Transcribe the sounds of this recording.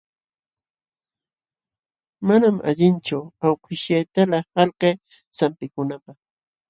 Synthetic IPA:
manamʔa̰ʎɪnt͡ʃʊawqɪʃjajt̪alahɑlqeː | sampɪkʊnapɑχ

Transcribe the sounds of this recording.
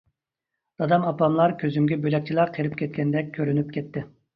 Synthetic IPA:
d̪̥ɑd̪ɑmɑpˠɑmlˠɑɾkʲʰøzymɡʲɛbølɛk̚ʲt͡ʃʰilˠɑɾqʰeɾyp̚kʲʰɛt̪̚kʲɛnd̪ɛk̚ʲkʰːøɾynyp̚kʲʰɛt̪ʰːɪ

